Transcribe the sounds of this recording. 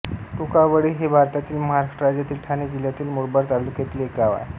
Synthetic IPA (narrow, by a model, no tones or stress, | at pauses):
ʈukaʋəɽiːɦebʱaɾt̪at̪iːlməɦaɾaʂʈəɾad͡ʑjat̪iːlʈʰaned͡ʑiljat̪iːlmuɽbəɾt̪aɾlukjet̪liekaʋa̰ɾ